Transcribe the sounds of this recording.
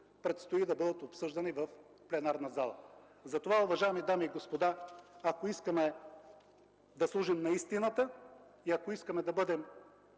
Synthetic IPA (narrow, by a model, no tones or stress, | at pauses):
pɾɛt̪st̪oid̪ɐbɤd̪ət̪opsɤʒd̪ɐnivɐf | plɛnaɾnɐzalˠɐ̰ | zɐt̪ovaʊvɐʒaɛmid̪amiːɡospod̪aɐkoiskəmɛ | d̪ɐslˠuʒimnɐist̪inət̪ə | iɐkoiskɐmɛd̪ɐbɤd̪ɛm